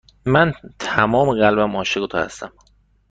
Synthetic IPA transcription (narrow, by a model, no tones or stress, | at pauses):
mænt̪ʰæmɒːmeɣælbæmɒːʃeɡot̪ʰɒ̰ːhæ̰st̪æm